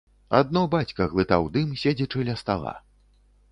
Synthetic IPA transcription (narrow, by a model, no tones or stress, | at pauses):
a̰d̪̚nɔbat͡sʲkɐɣlˠɨt̪awd̪ɨmsʲed͡zʲɛt͡ʂɨlʲɐst̪alˠa̰